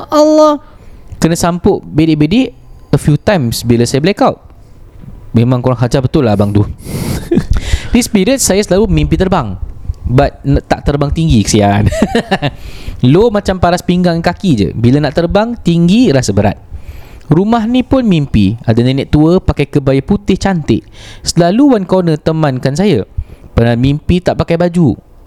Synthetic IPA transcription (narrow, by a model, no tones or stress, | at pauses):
ʔalːɔhkənasampʊʔbedɪʔ̚bedɪʔəfjut̪ajmsbilasajablakawʔ | memãŋkoɾaŋɦad͡ʒabət̪ʊlːabaŋt̪u | dispiɾət̪̚sajasəlalumimpit̪ərbaŋbat̪̚nt̪aʔt̪ərbaŋt̪iŋɡikə̥siaa̰n | lomãt͡ʃampaɾaspiŋɡaŋnkakid͡ʒə̰bilanaʔt̪ərbaŋt̪iŋɡiɾasəbəɾa̰t̪̚ | rumaɦnipʊnmimpiadanenɛʔt̪uəpakajkəbajəput̪ɪht͡ʃant̪ɪʔsəlaluwankonə̃t̪əmãnkans̬ajəpənamimpit̪aʔpakajbad͡ʒu